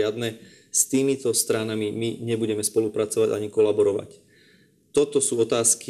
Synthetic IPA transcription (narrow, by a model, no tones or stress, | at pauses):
ɪad̪nɛ | st̪iːmit̪ɔst̪ɾanamimiɲɛbuɟɛmɛspɔlupɾat͡sɔʋaɟa̰ɲikɔlabɔɾɔʋa̰c | t̪ɔt̪ɔsuːɔt̪aːski